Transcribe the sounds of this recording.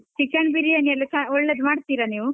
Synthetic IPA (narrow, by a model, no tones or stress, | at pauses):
t͡ʃikɐɳbiɾiɐnijɐlːisaɔɭːed̪maːɽt̪iːɾɐniːʋu